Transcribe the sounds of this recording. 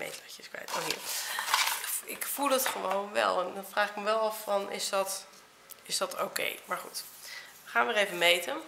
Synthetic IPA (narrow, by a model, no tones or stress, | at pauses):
mḛjtɑəɪskʋɛ̰jto̰ɦḭːɹ | ɪkfulˠdɑtχəʋownʋɛ̰lˠɛndɑnvraːχɪkməʋɛlˠɑfːɑnʔɪ̰zdɑt | ɪszdɑtʰo̰wkḛjmaɹχṵt | əχaːnʋəɾejvəmejtən